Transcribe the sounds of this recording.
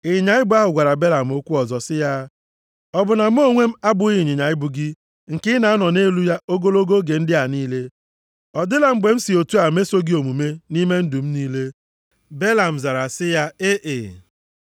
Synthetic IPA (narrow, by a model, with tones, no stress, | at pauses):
ɪ˨ɲa˨ɪ˦bʊ˦a˦ɦʊ˨ɡʷa˨ɾa˨be˦la˨m̩˨o˦kʷu˦ɔ˨zɔ˨sɪ˦ja˦ | ɔ˦bʊ˨na˨m̩˦o˦ŋʷe˦m̩˦a˦bʊ˨˦ɪ˨ɲɪ˨ɲa˨ɪ˦bʊ˨ɡɪ˦ | ŋ̩˨kɪ˦na˨˦a˦nɔ˨ne˦lu˦ja˦ʔo˦ɡo˦lo˦ɡo˦ɡe˨n̩˦dɪ˦a˨niː˦le˦ | ɔ˨dɪ˦la˨m̩˦ɡ͡be˨m̩˦si˨o˨tu˦a˨m̩˦e˦so˦ɡi˦o˨mu˨me˦ni˦me˦n̩˦du˨m̩˦niː˦le˦ | be˦la˨m̩˨za˨ɾa˨sɪ˦ja˦e˦ʔɪ˨